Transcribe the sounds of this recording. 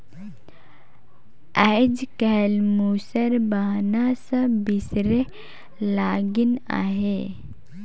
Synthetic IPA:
ajd͡ʒkɛɦlmuːsəɾbaɦnasəbisɾe | laɡina̰ɦe

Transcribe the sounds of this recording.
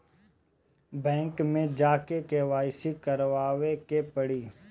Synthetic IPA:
bɛ̃ːŋkmẽd͡ʒaːkekeʋaːɪsikɐɾʋaːʋekepəɽiː

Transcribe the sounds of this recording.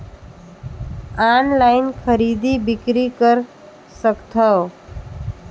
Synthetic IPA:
anlajnkʰʌɾid̪ibikɾikʌɾ | sʌkt̪ʰʌw

